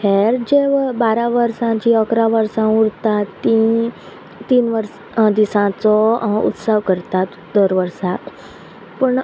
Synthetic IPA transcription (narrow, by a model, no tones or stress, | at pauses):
hʰeɾd͡ʑeʋbaɾaʋəɾsãt͡ɕiəkɾaʋəɾsãuɽt̪at̪ːĩ | t̪iːnʋəɾ | d̪isãt͡sɔṵt̪səʋkəɾt̪at̪ | d̪əɾʋəɾsa | pəɳ